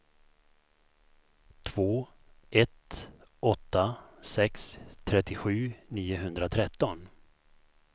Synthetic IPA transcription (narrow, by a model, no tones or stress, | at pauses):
t̪ʰv̥oː | ɛt̪ɔt̪ːasɛkst̪ʰɾɛt̪ːɪɧʉ̟ːniːʊɦɵnd̪ɾat̪ʰɾɛt̪ːɔn